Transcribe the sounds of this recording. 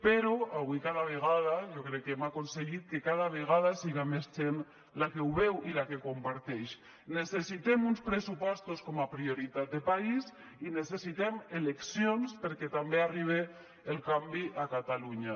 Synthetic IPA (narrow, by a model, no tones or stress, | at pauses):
peɾoaβwikaðaβ̞eɣ̞að̞ajokɾɛkːeemakonseɣit̪̚kekaðaβ̞eɣað̞asiɣamezd͡ʒen | lakewβewilakekompaɾt̪ɛʃ | nesesit̪emunspɾesupɔst̪uskomapɾioɾit̪at̪̚d̪epais | inesesit̪emeleksjonspeɾket̪ambeariβ̞e | elkambiʔakat̪aluɲa